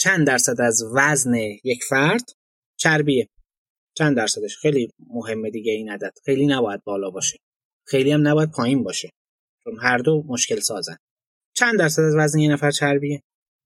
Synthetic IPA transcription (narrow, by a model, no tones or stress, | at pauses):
t͡ʃʰænd̪d̪æɾsæd̪æzvæzne̞je̞cʰfæɾd̪̥ | t͡ʃʰæɾbije | t͡ʃʰænd̪æɾsæd̪eʃxejlimoɦe̞mːe̞d̪iːɟeiːnæd̪æd̪̥xejliːnæbɒːjæd̪̚bɒːlɒːbɒːʃe̥ | xe̞jlijæmnæbɒːjæd̪̚pʰɒːjiːnbɒːʃe | t͡ʃomɦæɾd̪omoʃce̞lsɒːzæ̰n | t͡ʃʰænd̪æɾsæd̪æzvæznejenæfæɾt͡ʃʰæɾbie